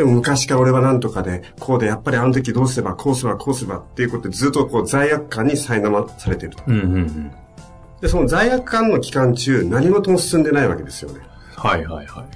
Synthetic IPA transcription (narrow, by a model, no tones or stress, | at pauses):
d̪emo̞mɯ̟kaɕi̥kao̞ɾe̞β̞anãnt̪o̞kad̪e̞kʰo̞ːd̪e̞japːaɾʲiano̞t̪̬o̞k̬ʲid̪oːs̬ɨɾe̞bakʰoːsɨɾebakʰo̞ːsɨɾeba̰t̪ːeiɯ̟ko̞t̪od̪ezɨːt̪ːoko̞ːzaijakɯ̟̥kːãɲ̟ːisainamasaɾe̞t̪e̞ɾɯ̟t̪o̥ɯ | d̪̥e̞so̞no̞zaijakɯ̟̥kːãnːo̞kʲi̥kãɲ̟t͡ɕɨːnaɲ̟imo̞t̪omsɨ̥sɨ̃nd̪e̞naiβa̰ke̞d̪e̞sɨ̥jo̞̰ne̞ | haihaihai